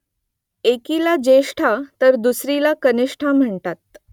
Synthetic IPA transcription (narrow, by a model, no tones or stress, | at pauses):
ekilad͡ʑeʂʈʰat̪əɾd̪usɾilakəniʂʈʰam̤əɳt̪at̪̚